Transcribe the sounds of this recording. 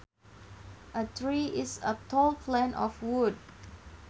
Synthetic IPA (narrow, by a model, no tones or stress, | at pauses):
ʔətʰɹiʔɪsətʰolˠpʰlɛ̃nʔɔfwud̚